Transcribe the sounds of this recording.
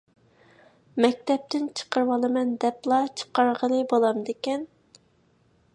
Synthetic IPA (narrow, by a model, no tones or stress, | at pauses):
mɛk̚ʲt̪ɛp̚t̪ʰɪnt͡ʃʰə̥qəɾwɑlˠɨmɛnd̪ɛplˠɑt͡ʃʰə̥qɑɾʁəlˠɨbolˠɑmd̪ekʲɛn